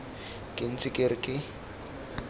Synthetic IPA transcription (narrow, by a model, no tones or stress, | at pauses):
kʼɪn̩t͡sʼɪkʼɪrɪkʼɪ